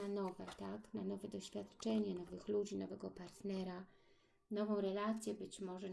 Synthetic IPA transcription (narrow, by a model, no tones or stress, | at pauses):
anɔvɛt̪aknanɔvɛd̪ɔɕfʲjat̪t͡ʂɛɲɛnɔvɘxlud͡ʑinɔvɛɡɔpaɾt̪nɛɾa | nɔvɔ̃w̃ɾɛlat̪sʲjɛbɘt͡ɕmɔʐɛ